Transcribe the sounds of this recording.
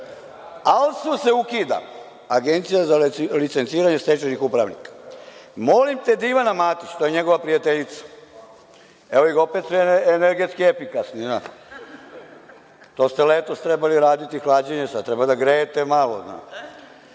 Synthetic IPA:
alsuse̞ukiːd̪a̰ | aɡent̪sijazalit̪sent̪siːɾaɲe̞st̪et͡ʃenixupɾaʋnḭkḁmo̞limt̪ed̪iʋanamaːt̪it͡ʃt̪ojeɲeɡo̞ʋapɾijat̪eʎit̪sḁ | eoiɡopet̪sieneɾɡet̪skiefikasnina̰ | t̪o̞st̪eleːt̪o̞st̪ɾebaliɾaːd̪it̪ixlaːd͡ʑeɲesad̪̚t̪ɾebad̪aɡɾeːt̪emalozna̰ː

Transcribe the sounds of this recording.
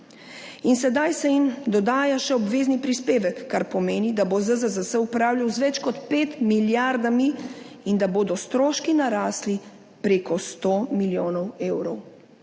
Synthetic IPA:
insɛd̪ajsɛjimd̪ɔd̪aːjaʃɛɔbʋeːznipɾispeːʋɛkːaɾpɔmeːnid̪abozəzəzəsəupɾaːwlʲjawzʋɛt͡ʃkɔt̪peːt̪miljaɾd̪ami | ind̪aboːd̪ɔst̪ɾoːʃkinaɾaːsli | pɾeːkɔst̪oːmiljoːnɔweːwɾɔw

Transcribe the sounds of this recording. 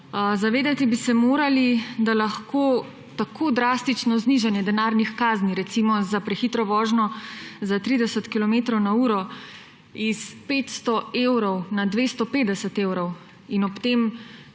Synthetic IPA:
zaʋeːd̪at̪ibisɛmoːɾalid̪alaxkoː | t̪akʰoːd̪ɾaːst̪it͡ʃnɔzniʒanjɛd̪ɛnaːɾnixkaːzniɾɛt̪simɔzapɾɛxit̪ɾɔʋɔːʒnɔzat̪ɾid̪ɛsət̪kilɔmeːt̪ɾɔwnauːɾɔ | ispeːt̪st̪ɔeːwɾɔwnad̪ʋeːst̪ɔpeːd̪ɛsət̪eːwɾɔw | inɔpt̪em

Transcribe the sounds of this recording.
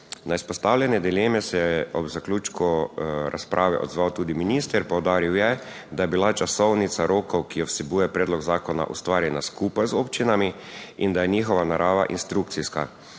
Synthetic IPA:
naispɔst̪awlʲjɛnɛd̪ileːmɛsɛjɛɔbzaklʲuːt͡ʃkuɾʔa̰spɾʔaːʋɛ̰ʔɔ̰d̪zʋawt̪uːd̪iminist̪ɛɾpɔwd̪aːɾiwjɛ | d̪ajɛbilat͡ʃasɔwnit̪saɾoːkɔwkijɔwsɛbujɛpɾeːd̪lɔɡzaːkɔna̰ʔṵst̪ʋaːɾjɛnaskuːpajzopt͡ʃinami | ind̪ajɛɲiːxɔʋanaɾʔaːʋa̰ʔḭnst̪ɾuk̚t̪siska̰

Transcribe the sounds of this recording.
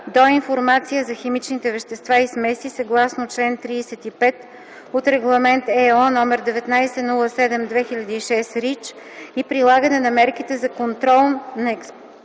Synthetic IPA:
d̪oinfoɾmat̪sijəzɐxɛmit͡ʃnit̪ɛvɛʃt̪ɛst̪vaismɛsisɐɡlˠasnot͡ʃlɛnt̪ɾiːsɛt̪ipɛt̪ | ot̪ɾɛɡlˠɐmɛnt̪ɛɔnɔmɛɾd̪ɛvɛt̪najsɛnulˠəsɛd̪ɛmd̪vɛxiʎʲɐd̪iːʃɛsɾit͡ʃ | ipɾilˠaɡənɛnɐmɛɾkit̪ɛzɐkont̪ɾɔlˠnɐɛks

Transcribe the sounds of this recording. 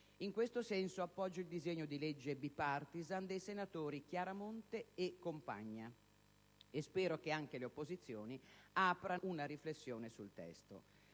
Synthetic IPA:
iŋkwest̪osɛnsoapːɔd͡ʒːoild̪izeɲːod̪iled͡ʒːebipart̪izand̪ejsenat̪oːɾikjaːɾamont̪eːkːompa̰ɲːa | espɛːɾok̟eaŋk̟eleopːozit̪sːjoːniaːpɾaunaɾiflesːjoːnesult̪ɛ̰st̪o̰

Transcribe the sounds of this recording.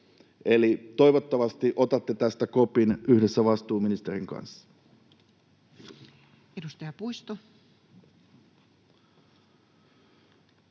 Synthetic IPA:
ʔe̞lit̪o̞jʋot̪ːɑʋɑst̪iʔo̞t̪ɑt̪ːet̪æst̪æko̞pinyhde̞sːæʋɑst̪uːminist̪eɾiŋkɑ̰nsːɑ̥ | edust̪ɑjɑpujst̪o

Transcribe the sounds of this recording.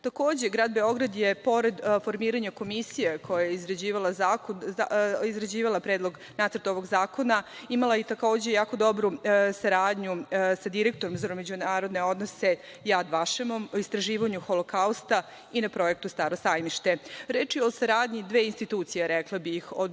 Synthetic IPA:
t̪ako̞ːd͡ʑe̞ɡɾaːd̪be̞o̞ɡɾad̪jepo̞ɾed̪fo̞ɾmiːɾaɲako̞misijekʰojajeizɾad͡ʑiːʋalazako | izɾad͡ʑiːʋalˠapɾeːd̪lˠo̞ɡ | naːt̪sɾt̪o̞ʋo̞ɡzaːko̞naimalajit̪ako̞ːd͡ʑejaːko̞d̪o̞bɾusaɾaːd̪ɲusad̪iɾek̚t̪o̞ɾomzaɾomed͡ʑunaːɾo̞d̪ne̞o̞d̪no̞se̞ | jad̪ʋaʃemo̞mist̪ɾaʒiːʋaɲuxolokaust̪a | inapɾo̞je̞k̚t̪ust̪aːɾo̞sajmiʃt̪e̞ɾeːt͡ʃjeo̞saɾaːd̪ɲid̪ʋeːinst̪it̪uːt̪sijaɾɛklˠabixo

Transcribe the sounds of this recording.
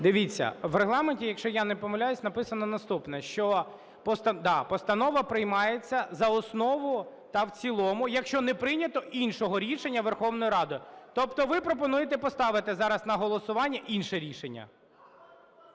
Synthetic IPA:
d̪ɪʋʲit͡sʲːɐ̰ʋreɦlˠɑmenʲtʲijɐkʃt͡ʃɔjanɛpɔmɐlʲajʊsʲnɐpɪsɐnɔnɐst̪upnɛʃt͡ʃɔ | pɔst̪ɐd̪ɑpɔst̪ɐnɔʋɐpɾɪjmɑjet͡sʲːɐzɐɔsnɔʋʊ | t̪ɐwt͡sʲilˠɔmʊjɐkʃt͡ʃɔnɛpɾɪnʲɐt̪ɔʔinʃɔɦɔɾʲiʃenʲːɐʋerxɔwnɔjʊɾɑd̪ʊjt̪ɔpt̪ɔʋɪpɾɔpɔnujet̪ɛpɔst̪ɑʋɪt̪ɪzɑɾɐznɐɦɔlˠɔsʊʋɑnʲːɐʔinʃɛɾʲiʃenʲːɐ̰

